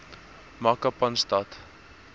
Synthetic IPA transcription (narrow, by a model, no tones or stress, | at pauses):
mɐkɐpɐnstɐt